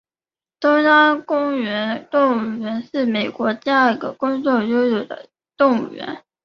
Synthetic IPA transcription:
t̪o˥ʊja˥kʊ˥ŋɥɛ˧˥nt̪ʊ˥˩ŋɥɛ˧˥nʂɻ̩˥˩me˨˩ɪkwɔ˧˥t̪i˥˧a˥˩ɡə˩kʊ˥ŋt͡swɔ˥˩jo˥ʊjo˨˩d̪ə̰˧˦ | t̪ʊ˥˩ŋɥɛ̰˧˥n

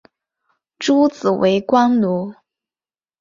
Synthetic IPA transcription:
ʈ͡ʂu˥t͡sɹ̩˨˩we˧˥ɪkwɑ˥ŋlu˧˥

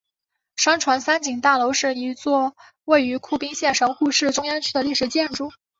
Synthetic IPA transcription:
ʂɑ˥ŋʈ͡ʂʰwa˧˥nsa˥nt͡ɕi˨˩ŋt̪a˥˩lo˧˥ʊʂɻ̩˥˩i˧˥t͡swɔ˥˧ | we˥˩ɪy˧˥kʰu˥˩pi˥ŋɕjɛ˥˩nʂɤ˧˥ŋxu˥˧ʂɻ̩˥˩ʈ͡ʂʊ˥ŋja˥nt͡ɕʰy˥˩d̪ə˩li˥˩ʂɻ̩˨˩t͡ɕjɛ˥˧nʈ͡ʂu˥˩

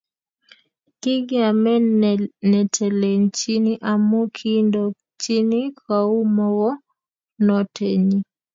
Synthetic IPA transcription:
ki˦ɡɛa˨mɛ˦nɛ˨tʰɛ˨lɛ˨nt͡ʃiniʔa˨mu˦kʰindɔ | t͡ʃi˦ni˦kau˦mɔwɔ˦ | nɔtʰɛ˨ɲi˦

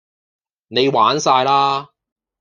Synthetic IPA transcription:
ne˨˧jwaː˨˥nsaː˧jlaː˥

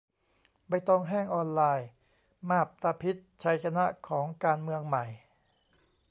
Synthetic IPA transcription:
ba˧jt̪ɔ˧ŋɦɛː˥˩ŋʔɔː˧nlaː˧j | maː˥˩p̚t̪a˧pʰi˦˥t̪̚t͡ɕʰa˦˥jkʰa˧na˦˥ʔkʰɔː˩˦ŋkaː˧nmɯ˧əŋma˨˩j

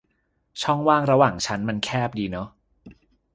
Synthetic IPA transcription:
t͡ɕʰɔ˥˩ŋwaː˥˩ŋɾa˧waː˨˩ŋt͡ɕʰa˦˥nma˧nkʰɛː˥˩p̚diː˧nɔ˦˥

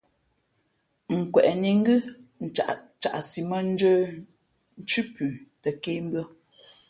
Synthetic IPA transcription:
ŋ̩˨kwɛ˨ʔni˨ŋ̩˦ɡʉ˦˨t͡ʃa˨ʔ | t͡ʃa˨ʔsi˨mə˦n̩˦d͡ʒəː˦ | n̩˦t͡ʃʉ˦pʉː˨tə˨ke˦m˦bɰə˦

